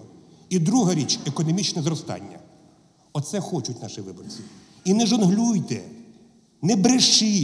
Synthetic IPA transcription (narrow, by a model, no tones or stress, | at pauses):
id̪ɾuɦɐɾʲit͡ʃekɔnɔmʲit͡ʃnɛzɾɔst̪ɑ̰nʲːɐ̰ | ɔt̪sɛxɔt͡ʃʊt̪̚ʲnɑʃiʋɪbɔrt͡sʲi | inɛʒɔnɦlʲujt̪ɛ | nɛbɾeʃi